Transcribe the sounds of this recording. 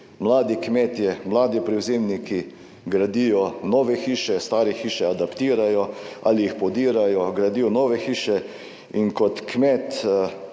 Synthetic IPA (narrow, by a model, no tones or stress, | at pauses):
mlaːd̪ikmɛːt̪jɛmlaːd̪ipɾiwzeːmniki | ɡɾad̪ijɔnɔːʋɛxiːʃɛst̪aːɾɛxiːʃɛad̪apt̪iːɾajɔʔa̰lijixpɔd̪iːɾajɔɡɾad̪ijɔnɔːʋɛxiːʃɛ | iŋkɔt̪kmɛːt̪